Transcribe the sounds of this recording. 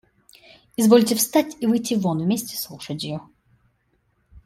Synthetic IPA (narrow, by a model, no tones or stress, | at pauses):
ɪzvo̞lʲtʲɪfst̪atʲivɨjtʲivonvmʲesʲtʲɪ̥slˠuʂətʲɪjʊ